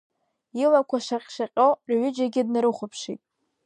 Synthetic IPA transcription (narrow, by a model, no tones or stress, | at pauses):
ilakʷʰaʂaqʲʼʃaqʲʼowɥʏd͡ʒaɡʲɪdnaɾɨχʷʊpʰʂḭtʼ